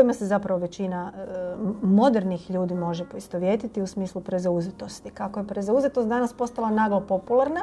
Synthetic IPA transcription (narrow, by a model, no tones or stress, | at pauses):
oimasezapɾaʋo̞ʋe̞t͡ɕina | mo̞d̪eɾnixʎuːd̪imo̞ʒepoist̪oʋje̞t̪it̪iusmiːslˠupɾezauzet̪o̞st̪ikako̞jepɾezauzet̪ot̪d̪anaspo̞st̪alˠanaɡlopo̞pulˠaɾna